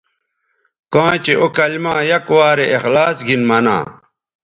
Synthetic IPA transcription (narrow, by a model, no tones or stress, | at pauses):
kãːt͡ɕeʔokɐlmãːjɐkwaːɾeʔːxlaːsɡʱinmɐnã̰ː